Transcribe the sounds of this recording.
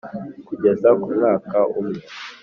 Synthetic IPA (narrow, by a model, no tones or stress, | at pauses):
kuɟezakumŋaːkaumŋe